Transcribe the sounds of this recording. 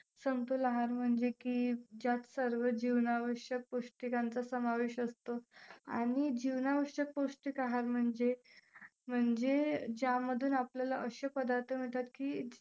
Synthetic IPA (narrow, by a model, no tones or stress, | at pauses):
səmt̪olaɦaɾm̤əɳd͡zekid͡ʑjat̪səɾʋəd͡ʑiʋnaʋəɕjək̚poʂʈikãnt͡sasəmaʋeɕəst̪oa̰ɽ̃id͡ʑiʋnaʋəɕjək̚poʂʈikaɦaɾm̤əɳd͡ze | m̤əɳd͡zed͡ʑaməd̪ʱuːnapljalaʔəɕəpəd̪aɾt̪ʰəm̤iʈt̪at̪kiː